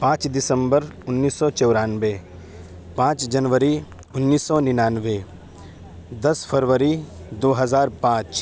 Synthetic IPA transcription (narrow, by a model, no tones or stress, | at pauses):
pãːt͡ʃd̪ɪsə̃mbəɾʊnːiːsːɔt͡ʃɔwɾaːnʋe | pãːt͡ʃd͡ʒɐnʋəɾi | ʊnːiːsːɔnɪnaːnʋe | d̪ɐspʰəɾʋəɾid̪oːɦɐzaːɾpãːt͡ʃ